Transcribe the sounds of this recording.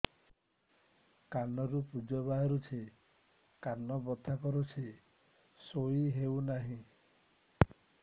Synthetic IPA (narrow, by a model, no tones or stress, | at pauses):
kanɔɾupud͡ʒɔbaɦɔɾut͡ʃʰi | kanɔbɔt̪ʰakɔɾut͡ʃʰi | soiɦewnaɦĩ